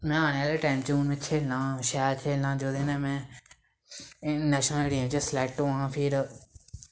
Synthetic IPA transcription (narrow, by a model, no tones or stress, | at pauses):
mɛ̃ːaːɽ̃eaːleːʈaːɪmt͡ʃũːnmẽːt͡ʃʰeːlnãːʃaːɾt͡ʃʰeːlnãːd͡ʒoːd̪eːnɛ̃ːmɛ̃ː | nɛːʃnəleːɽijãːt͡ʃəsleːʈʈõːãːpʰɪɾ